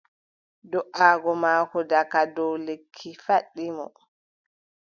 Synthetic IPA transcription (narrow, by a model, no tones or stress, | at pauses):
dɔʔaːɡɔmaːkɔdakadɔwlekʰːifaɗːimɔ̰